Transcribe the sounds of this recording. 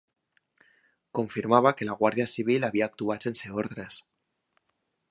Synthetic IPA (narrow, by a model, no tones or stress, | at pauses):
ko̞ɱfiɾmaβ̞ake̞laɣ̞waɾðjasiβ̞ilaβiaːk̚t̪uat͡ʃenseoɾðɾes